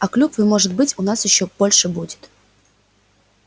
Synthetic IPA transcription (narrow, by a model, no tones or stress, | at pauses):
ɐklʲupvɨmoʐɨt̪̚bɨtʲʊnasjɪɕːob̥olʲʂɨbudʲɪ̥t̪